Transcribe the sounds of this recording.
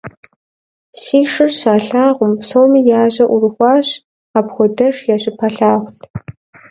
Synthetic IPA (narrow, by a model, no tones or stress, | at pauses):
siːʂɨrɕaːɬaːʁʷʊmsowmijaːʑɐʔʊrɨxʷɑːɕ | aːpχʷɔdɐʂjaːɕʼɪpʰɐɬaːʁʷʊɬ